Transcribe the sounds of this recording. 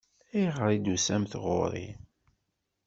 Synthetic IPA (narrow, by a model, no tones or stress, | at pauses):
iʁɾˤid̪usæmθʁʊ̰ɾˤḭ